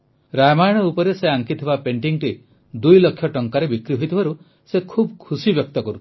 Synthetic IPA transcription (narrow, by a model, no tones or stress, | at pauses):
ɾajmajɽ̃ɔupɔɾeseaŋkit̪ʰibapeɳʈiŋʈi | d̪ujlɔkʰːjɔʈɔŋkaɾebikɾiɦojt̪ʰibʱaɾu | sekʰubkʰusibjɔk̚t̪ɔkɔɾut̪ʰ